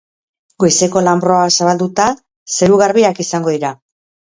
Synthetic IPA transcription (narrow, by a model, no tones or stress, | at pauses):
ɡojse̞ko̞lambɾo̞asaβald̪ut̪a | se̞ɾuɣaɾβiakisaŋɡo̞ðiɾa